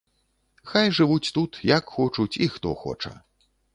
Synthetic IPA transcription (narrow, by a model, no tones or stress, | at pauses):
xajʐɨvut͡sʲt̪ut̪jakxɔt͡ʂut͡sʲixt̪ɔ̰xɔ̰t͡ʂɐ̰